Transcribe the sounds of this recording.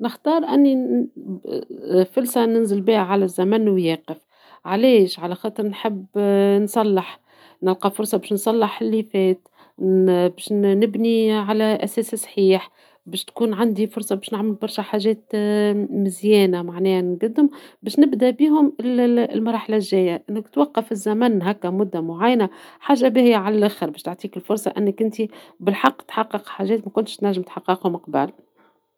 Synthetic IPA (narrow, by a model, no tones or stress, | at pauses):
nɪxt̪ɑːɾˤʔænːi | fʊlsænɪnzɪlbiːhæʕalæzːæmænwjɛːqɪf | ʕalɛːʃʕalæxɑːt̪ˤɨɾˤnħɪbːnsˤɑlːɪħ | nɪlqɑfʊɾˤsˤɑbɛːʃnsˤɑlːɑħɪlːiːfɛːt̪ | bɛːʃnɪbniʕalæʔæsɛːssˤħiːħ | bɛːʃt̪kuːnʕand̪ifʊɾsˤɑbɛːʃnɪʕmɪlbɑɾˤʃæħaːʒɛːt̪ | mɪzjɛːnamaʕnɛːhnɡad̪ːʊmbɛːʃnɪbd̪æbiːɦʊmɪllmɑɾˤɑːħlaʒːɛːjːaʔɪnːɪkt̪wɑqːɑfɪzːæmænɦækːæmʊd̪ːamʊʕajnaħaːʒːabihɪjːaʕalælʔaxəɾbɛːʃt̪oʕt̪ˤiːkɪlfʊɾˤsˤɑʔɪnːɪkʔɪnt̪ibɪlħɑqːt̪ħɑqːɨqħaːʒɛːt̪mækʊnt̪ɪʃt̪næʒːɪmt̪ħɑqːɪqhʊmɑqba̰l